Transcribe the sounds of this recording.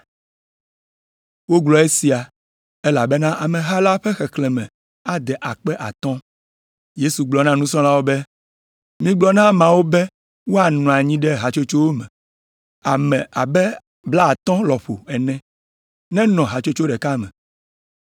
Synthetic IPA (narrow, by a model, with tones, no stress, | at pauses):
wo˦ɡlɔ˨e˦si˨a˨ | ɛ˦la˨bɛ˦nã˦ʔa˨mɛ̃˨ɦa˦la˦ɸɛ˦xɛ˨klɛ˨mɛ̰̃˨ | a˨d̪ɛ˨ʔa˨k͡pɛ˦ʔa̰˨t̪ɔ̃˦ | je˦su˨ɡ͡blɔ˨nã˦nũ˦sɔ̃˦la˦wo˦bɛ˦ | mĩ˦ɡ͡blɔ˦nã˦mã˨wo˦bɛ˦ | wo˦a˨nɔ̃˨a˨ɲĩ˦ɖɛ˦ɦa˨t͡ʃo˦t͡ʃo˦wo˦mɛ̰̃˨ | a˨mɛ̃˨a˨bɛ˦ | bla˦a˨t̪ɔ̃˦lɔ˨ɸo̰˨ɛ˨nɛ̃˦ | nɛ̃˦nɔ̃˨ɦa˨t͡ʃo˦t͡ʃo˦ɖɛ˨ka˦mɛ̃˨